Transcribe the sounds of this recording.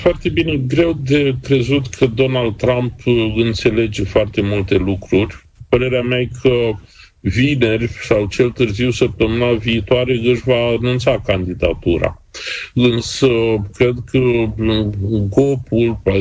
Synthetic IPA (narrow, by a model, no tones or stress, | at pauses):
foart̪e̞bine̞ɡɾe̞wd̪e̞kɾe̞zut̪kʰəd̪o̞nald̪̚t̪ɾampɨnt̪se̞le̞d͡ʒe̞foart̪e̞mult̪e̞lukɾurʲ | pəɾe̞ɾeameajkʰə | vine̞rʲsawt͡ʃe̞lt̪ɨrziwsəp̚t̪əmɨnaviːt̪oaɾe̞ɨʃʲvaːnũnt̪sakand̪id̪at̪uɾa̰ | ɨnsəkɾe̞d̪kʰə | ɡo̞pulp